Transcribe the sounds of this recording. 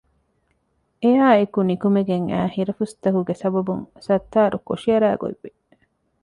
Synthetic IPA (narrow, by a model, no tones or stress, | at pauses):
ejaːekunikumeɡeŋæ̰ːhiɾɐfust̪ɐkuɡesɐbɐbuŋsɐt̪ːaːɾuko̰ʃiɐɾæ̰ːɡo̰lːi